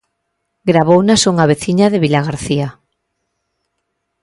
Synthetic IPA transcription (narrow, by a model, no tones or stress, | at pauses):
ɡɾaβownasuŋaβ̞eθiɲaðeβilaɣaɾθia